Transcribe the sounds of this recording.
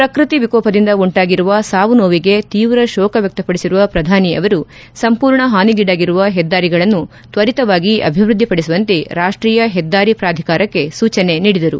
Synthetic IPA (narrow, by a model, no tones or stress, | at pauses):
pɾɐkɾit̪iʋikɔːpɐd̪ind̪ɐuɳʈaːɡiɾuʋɐsaːʋunoːʋiɡe̞t̪iːʋɾɐʃɔːkɐʋjɐk̚t̪ɐpɐɽisiɾuʋɐpɾɐd̪ʱaːniɐ̰ʋɐɾu | sɐmpuːɾɳɐɦaːniɡiɽaːɡiɾuʋɐɦɛd̪ːaːɾiɡɐɭɐnːu | t̪ʋɐɾit̪ɐʋaːɡiʔɐ̰bʱiʋɾud̪ʱːipɐɽisuʋɐnt̪eɾaːʂʈɾiːjɐɦɛd̪ːaːɾipɾaːd̪ʱikaːɾɐkːe̞suːt͡ʃɐne̞niːɽid̪ɐɾu